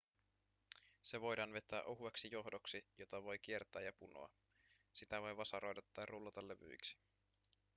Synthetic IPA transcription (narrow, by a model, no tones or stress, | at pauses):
se̞ʋo̞jdɑːnʋe̞t̪ːˑæːʔoɦueksijo̞ɦdoksijo̞t̪ɑʋo̞jk̟ie̞rt̪ˑæːjɑpuno̞̰ɑ̰ | sit̪æʋo̞jʋɑsɑɾo̞jdɑt̪ːɑːrːulːɑt̪ɑlːe̞ʋy̰jksi̥